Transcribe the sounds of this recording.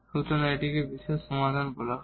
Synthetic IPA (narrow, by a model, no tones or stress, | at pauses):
ut̪ɔnajʈikebisesɔmad̪ʱanbɔla